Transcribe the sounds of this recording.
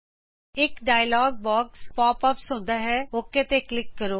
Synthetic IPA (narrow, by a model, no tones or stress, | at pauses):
ɪkɖaːjlɔːɡ̚bɔːkspɔːpɔpsʊ̃nd̪aɦɛoːkːet̪eklɪkːəɾoː